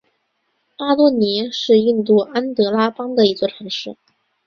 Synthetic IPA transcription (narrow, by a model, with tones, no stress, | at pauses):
pa˥lwɔ˥˩ni˧˥ʂɻ̩˥˧i˥˧nt̪̬u˥˩a˥nt̪ɤ˧˥la˥pɑ˥ŋd̪ə˨i˧˥t͡swɔ˥˩ʈ͡ʂʰɤ˧˥ŋʂɻ̩˥˩